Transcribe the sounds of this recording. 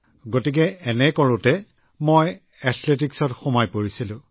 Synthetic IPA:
ɡotik̬ɛɛnɛkɔɹʊtɛ | moj | ɛtʰletiksɔtxumajpoɹisilʊ̃

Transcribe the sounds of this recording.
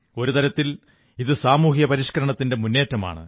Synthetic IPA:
o̞ɾut̪ɐɾɐt̪ːil | iðɨsaːmuːɦijɐpɐɾiʂkɐɾɐɳɐt̪ːinde̞munːe̞ːtːɐma̰ːɳɨ̰

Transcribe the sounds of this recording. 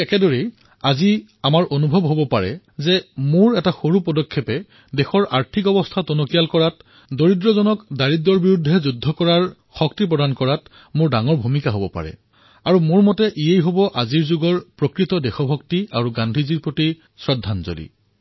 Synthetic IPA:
ɛkɛdoɹi | azi | amaɹʔonubʱɔbɦobɔpaɹɛ̰ | zɛmʊɹɛtaxoɹupɔdɔkʰːepɛ | dɛxɔɹa̰ɹtʰikɔbɔstʰatonokijalkɔɹat | doɹidɹɔzɔnɔkdaɹitdːɔɹbiɹudʱːɛzudʱːɔkɔɹaɹ | xɔktip̬ɹɔdankɔɹat | mʊɹdaŋɔɹbʱumikaɦobɔpa̰ɹɛ̰ | aɹumʊɹmɔtɛʔiejɦobɔʔaziɹzuɡɔɹpɹɔkɹitɔdɛxɔbʱɔk̚tiaɹuɡandʱiziɹpɹoti | sɹɔdʱːanzo̰lḭ

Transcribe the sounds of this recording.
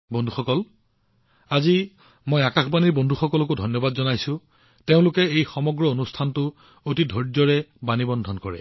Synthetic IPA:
bondʱuxɔkɔl | azi | mojakaxbaniɹbondʱuxɔkɔlɔk̬odʱɔnjɔbadzɔnajsʊ̃ | teʊ̃lʊkɛejxɔmɔɡɹɔonustʰantʊ | otidʱɔɹzɔɹɛbanibɔndʱɔnkɔɹɛ̰

